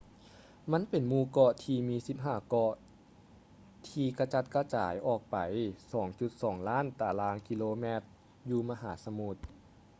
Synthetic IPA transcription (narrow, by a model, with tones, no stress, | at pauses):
ma˧˥˨npe˨˩nmuː˧kɔ˧t̪ʰiː˧miː˧˥si˧˦p̚ɦaː˧˩kɔ˧ʔ | t̪ʰiː˧ka˧t͡ɕa˧t̪̚ka˧t͡ɕa̰ː˩˦jʔɔː˧˩k̚pa˨˩jsɔː˩˦ŋt͡ɕu˧˦t̪̚sɔː˩˦ŋlaː˥˨nt̪aː˨˩laː˧˥˨ŋki˧loː˧mɛː˧˥t̪̚ | juː˧ma˧ɦaː˩˦sa˧mu˧t̪̚